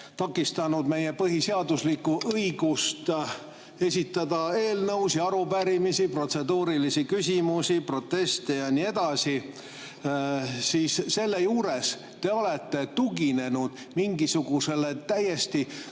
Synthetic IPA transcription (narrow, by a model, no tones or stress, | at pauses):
t̪ɑkːˑist̪ɑnud̪me̞je̞pɤɦiseɑd̪uslikːuʔɤiɡ̥ust̪ | e̞sʲit̪ːˑɑd̪̥ɑe̞ːlnɤwsiɑɾupæɾimisipro̞t̪se̞d̪uːɾilisikysʲimusipro̞t̪ːe̞st̪e̞jɑnie̞d̪̥ɑsi | siːsse̞lːe̞juːɾe̞s | t̪e̞o̞le̞t̪ːe̞t̪uɡine̞nud̪̥ | miŋɡ̥isuɡ̥use̞le̞t̪æje̞st̪i